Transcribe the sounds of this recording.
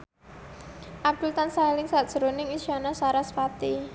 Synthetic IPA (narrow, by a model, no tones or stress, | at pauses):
ʔad̥ult̪ansailɪŋsaʔd̥ʒ̥əɾonɪŋiʃanasaɾasfat̪i